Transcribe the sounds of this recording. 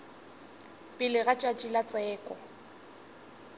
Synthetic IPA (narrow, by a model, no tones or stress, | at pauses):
pʼɪlɪɣat͡ʃʼat͡ʃʼilat͡sʼɛːkʼɔ